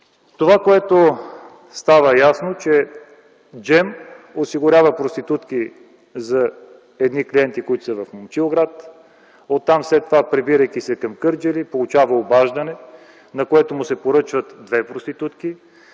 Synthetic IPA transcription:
t̪ovakoɛt̪o | st̪avəjasnot͡ʃɛ | d͡ʒɛmosiɡʊɾʲjavəpɾost̪it̪ut̪ki | zɐ | ɛd̪nikliɛnt̪ikoit̪ʊ̥səvɐfmomt͡ʃilˠɡɾat̪ | ot̪ːamfslɛt̪ːovapɾɛbiɾəjkisɛkɐmkɤɾd͡ʒɛlipolˠʊt͡ʃavəobaʒd̪ɐnɛ | nɐkoɛt̪omʊsɛpoɾɤt͡ʃvət̪d̪vɛpɾost̪it̪ut̪ki

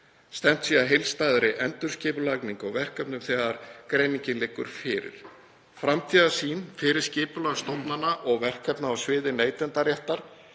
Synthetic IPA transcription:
st̪ɛm̥t̪siaðɦejlst̪aːðɾɪʔɛnt̪ʏɾ̥scɪːpʏlakniŋkɔɣvɛr̥kœpnʏmθɛðaɾkɾejniɲcɪnlɪːkːʏ̰ɾ̥fɪːɾɪ̰ɾ̥ | fɾamt̪ʰiːðasiːnfɪɾɪɾ̥scɪːpʏlaɣst̪owpnanːaʔɔɣvɛr̥kœpnaawsvɪːðɪneːjt̪ɛnt̪aɾjɛht̪aɾ̥

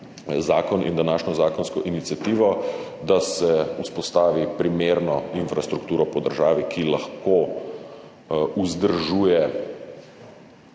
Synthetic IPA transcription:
zaːkɔnʔḭnd̪anaːʃnɔzaːkɔnskɔʔinit̪sjat̪iːʋɔ | d̪asɛuspɔst̪aːʋipɾimeːɾnɔinfɾast̪ɾukt̪uːɾɔpɔd̪əɾʒaːʋikʰilaxko | uzd̪əɾʒuːjɛ

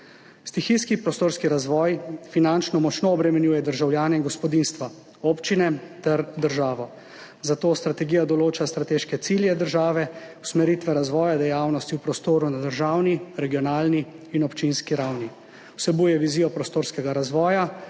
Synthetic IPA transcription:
st̪ixiskipɾɔst̪oːɾskiɾazʋɔːjfinant͡ʃnɔmɔt͡ʃnoːbɾɛmɛnjuːjɛd̪əɾʒawljaːnɛinɡɔspɔd̪inst̪ʋa | oːpt͡ʃinɛt̪ɛɾd̪əɾʒaːʋɔ | zat̪oːst̪ɾat̪ɛɡiːjad̪ɔloːt͡ʃast̪ɾat̪eːʃkɛt̪siljɛd̪əɾʒaːʋɛwsmɛɾiːt̪ʋɛɾazʋɔːjad̪ɛjawnɔst̪iwpɾɔst̪oːɾunad̪əɾʒaːwniɾɛɡijɔnaːlniː | nɔpt͡ʃinskiɾawni | wsɛbuːjɛʋiziːjɔpɾɔst̪oːɾskɛɡaɾazʋɔːja

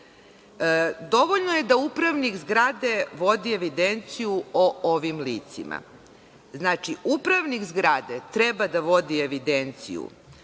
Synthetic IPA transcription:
d̪o̞ʋoʎnoje̞d̪aupɾaʋniɡzɡɾad̪e̞ʋo̞d̪ie̞ʋid̪e̞nt̪sijuooʋimliːt̪sḭma̰ | znaːt͡ʃiʔupɾaʋnikzɡɾad̪et̪ɾebad̪aʋo̞d̪ie̞ʋid̪ent̪sḭjṵ

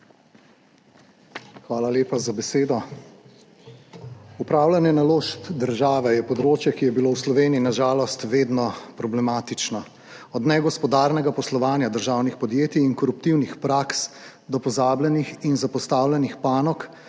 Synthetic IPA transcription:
xʋaːlalʲeːpazabɛseːd̪ɔ | upɾaːwlʲanjɛnaloːʃt̪d̪əɾʒaːʋɛjɛpɔd̪ɾoːt͡ʃjɛkijɛbilowslɔʋeːniinaʒaːlɔst̪ʋeːd̪nɔpɾɔblɛmaːt̪it͡ʃnɔ | ɔd̪nɛɡɔspɔd̪aːɾnɛɡapɔslɔʋaːnjad̪əɾʒaːwnixpɔd̪jeːt̪iːnkɔɾupt̪iwnixpɾaks | d̪ɔpɔzaːblʲjɛnixinzapɔst̪aːwlʲɛnixpaːnɔk

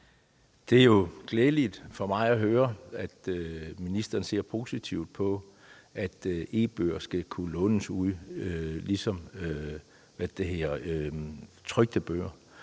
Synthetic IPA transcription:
d̥e̝æjo̝ɡ̥leːlid̥fɒ̽mɑ̈ɪæɦøːɐæd̥minisd̥ɐn̩se̝ɐ̰pʰo̝ːsit͡sʰiʊ̰d̥̚pʰɒ̽ | æd̥e̝̰ːb̥ø̰ːɐsɡ̥ækʰulɔ̽nəsuð̰ˠølisɒ̽mø | ʋæd̥e̝ɦeɐ | t͡sʰʁœɡ̥̚d̥əb̥ø̰ːɐ̰

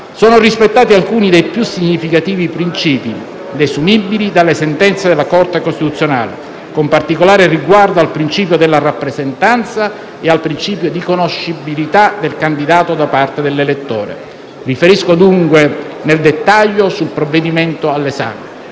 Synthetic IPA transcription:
sɔːnorispet̪ːaːt̪ialkuːnid̪ejpjusːiɲːifikat̪iːvipɾint͡ʃiːpi | d̪esumibːilid̪alːesent̪ɛnt̪sed̪elakɔrt̪ekost̪it̪ut̪sjona̰ːlḛ | kompart̪ikolaːɾeriɡward̪oalpɾint͡ʃiːpjod̪elːarapːɾezent̪ant̪sa | ealpɾint͡ʃiːpjod̪ikonoʃːibilit̪ad̪elkand̪id̪aːt̪od̪apart̪ed̪elːelet̪ːɔːɾḛ | rifeɾiskod̪uŋkwe | neld̪et̪ːaʎːosulpɾovːed̪imɛnt̪oalːesa̰ːme

